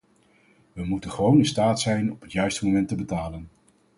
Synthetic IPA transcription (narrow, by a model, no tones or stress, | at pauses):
ʋəmutənχəʋownɪnstaːtsɛjnɔpɦətjœɥstəmomɛntəbətaːlən